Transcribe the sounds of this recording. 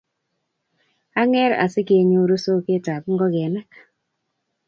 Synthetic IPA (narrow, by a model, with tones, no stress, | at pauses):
a˦ŋɛ˦ɾa̰˨sɪ˦ke˨ɲo˨ɾo˦so˦ke˦ta˨pŋɡɔ˦ɡɛ˨na˦k